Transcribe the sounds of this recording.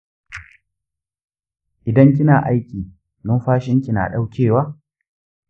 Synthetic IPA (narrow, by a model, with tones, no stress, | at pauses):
ʔɪ˨dɐ˦ŋk̬ʲɪ˦naː˨ʔa˦jkʲiː˨ | nʊ˦mɸaː˦ʃɪ˦ŋkʲi˨na̰ː˨ɗa˦wkʲeː˦˨waː˦